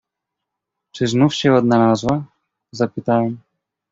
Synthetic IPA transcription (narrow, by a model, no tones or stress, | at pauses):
t͡ʂɘznufɕɛɔd̪nalazwa | zapɘt̪awɛm